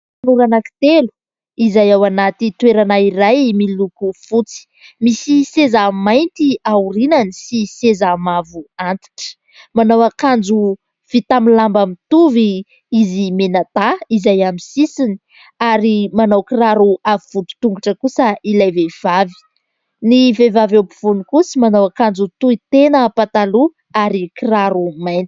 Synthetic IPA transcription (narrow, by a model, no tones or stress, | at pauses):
anuɾanaki̥t̪elu̥ | izajawanat̪it̪weɾanaiɾajmilukufut͡si̥ | misisezamajnt̪iauɾinanisisezamavuant̪i̥ʈ͡ʂə̥ | manawakand͡zu | v̥it̪amilambamit̪uvi | izimenat̪aizajamisisini | aɾimanawkiraɾuavivut̪u̥t̪uŋɡuʈ͡ʂəkusəilajvev̥avi̥ | nivevavewpu̥v̥unikusimanawakand͡zut̪uit̪enəpat̪alu | aɾikiraɾumajnt̪i̥